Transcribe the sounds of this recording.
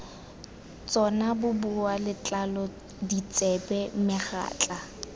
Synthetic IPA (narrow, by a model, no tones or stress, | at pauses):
t͡sʼɔnabʊbʊalɪt͡ɬʼalɔ | dit͡sʼɛbɛmɪχa̰ːt͡ɬʼa